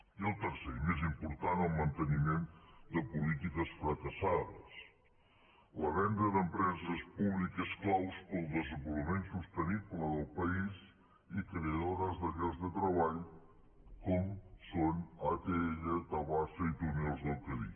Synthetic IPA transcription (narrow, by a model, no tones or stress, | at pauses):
iəlˠt̪əɾsemezimpuɾt̪anəlˠmənt̪ənimend̪əpulit̪ikəsfɾəkəsaðəs | ləβɛnd̪əðəmpɾɛzəspuβlikəsklawspəlˠd̪əzəmbuləmensust̪ənipləðəlˠpəiz | ikɾeəðoɾəzðəɣɛzðət̪ɾəβaʎ | kɔmsonat̪eeʎət̪əlˠβasəit̪unolˠzðəlˠkəβḭ